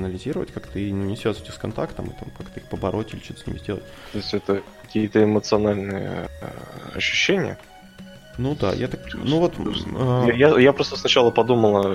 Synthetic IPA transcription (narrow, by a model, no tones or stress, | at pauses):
nəlʲɪzʲiɾəvə̰tʲkakt̪əinʲnʲɪsvʲæzvʲtʲɪskɐnt̪akt̪əmɨ̰t̪amkakt̪əixpəbɐɾʔo̞tʲilʲɪt͡ɕo̞t̪ə̥snʲɪ̰mzʲdʲelˠətʲt̪o̞ɪsʲtʲɛt̪əkɐkʲijət̪əɪmət̪sɨɐnalʲnɨjə̰ | ɐ̰ɕːʉ̥ɕːenʲɪ̰jə̰ | nud̪a̰jat̪aknnuvo̞t̪ː | jajapɾost̪əsnɐt͡ɕalˠəpɐd̪uməlˠə